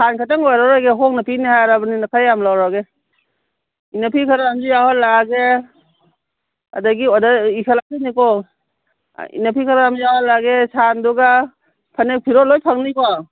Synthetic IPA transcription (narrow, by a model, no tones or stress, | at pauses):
sʰankʰataŋɔjɾaɾajɡeɦɔk̚napinihajaɾabaninakʰajːamlawɾaɡe | inapʰikʰaɾaamzijaɦɔtlaɡe | a̰daɡiɔdaikʰalatanikɔ | ḭnapʰikʰaɾaamzijahɔlaɡesanduɡa | pʰanek̚pʰiɾɔlɔjpʰaŋnikɔ